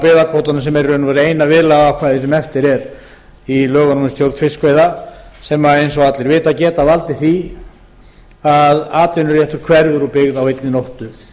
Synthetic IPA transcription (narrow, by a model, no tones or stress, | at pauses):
pɪːðakʰoːt̪anasɛmɛɾʏnʏvaɾejnavɪːlaɣakʰvaːðɪsɛmɛft̪ɪɾɛɾ | ilœːɣanɔmɪst̪jowɾt̪fɪ̥skvejðasɛmaejnsɔɣat̪lɛɾvɪːt̪acɛːt̪avalt̪ɪθi | aðaːt̪vɪnʏɾjɛht̪ʏɾ̥kʰvɛɾðʏɾupɪɣðawejt̪nɪnowht̪ʏ